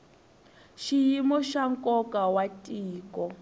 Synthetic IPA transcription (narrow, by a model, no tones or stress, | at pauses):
ʃijimɔʃaŋ̩kʼɔkʼawatʼiːkɔ